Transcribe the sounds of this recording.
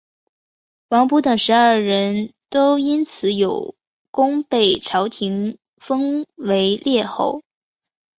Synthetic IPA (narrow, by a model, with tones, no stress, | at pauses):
wɑ˧˥ŋpu˧˥t̪ɤ˨˩ŋʂɻ̩˧˥ɐə˞˥˩ɻə˧˥nt̪o˥ʊi˥nt͡sʰɹ̩˨˧˥jo˨˩ʊ | kʊ˥ŋpe˥˩ɪʈ͡ʂʰɑ˧˥ʊt̪ʰi˧˥ŋ | fɤ˥ŋwe˧˥ɪljɛ˥˧xo̰˥˩ʊ